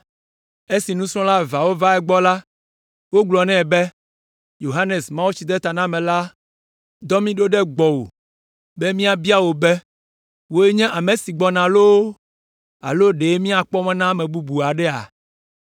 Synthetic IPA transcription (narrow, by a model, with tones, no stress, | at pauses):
e˦si˨nũ˦sɾ̃ɔ̃˦la˦va˨wo˦va˦ɛ˦ɡ͡bɔ˦la˦ | wo˦ɡ͡blɔ˨nɛ̃˦˨bɛ˦ | jo˨ɦa˦ne˨smã˦wu˦t͡ɕi˨d̪ɛ˦t̪a˨nã˦mɛ̃˨la˦ | d̪ɔ˦mĩ˦ɖo˦ɖɛ˦ɡ͡bɔ˨wo̰˨ | bɛ˦mĩ˦a˨bi˦a˦wo˨bɛ˦ | wo˦e˦ɲɛ̃˦ʔa˨mẽ˨si˨ɡ͡bɔ˦nã˨lo˦w | a̰˨lo˦ɖe˨˦mĩ˦a˨k͡pɔ˦mɛ̃˦nã˦mɛ̃˨bu˦bu˨a˨ɖɛ˦a̰˨